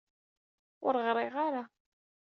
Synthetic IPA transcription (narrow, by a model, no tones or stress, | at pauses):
ʊɾʁɾˤɪʁaɾa